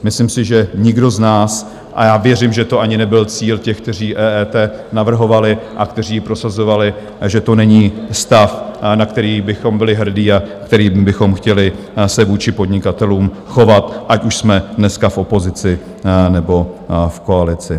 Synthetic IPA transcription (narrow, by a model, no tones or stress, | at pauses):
mɪslimsɪʒɛɲɪɡdo̞znaːs | ʔa̰jaːvjɛrɪmʒɛt̪o̞ʔaɲɪnɛbɪlt͡siːlcɛxk̚t̪ɛr̝iːʔɛːɛːt̪ɛːnavr̩ɦo̞valɪʔak̚t̪ɛr̝iːɪpɾo̞sazo̞valɪ | ʒɛt̪o̞nɛɲiːst̪afnak̚t̪ɛɾiːbɪxo̞mbɪlɪɦr̩diːakt̪ɛɾiːbɪxo̞mxcɛlɪ | sɛvuːt͡ʃɪpo̞dɲɪkat̪ɛluːm | xo̞vat̪ʔacuʃsmɛdnɛskafʔo̞po̞zɪt͡sɪ | nɛbo̞fko̞alɪt͡sɪ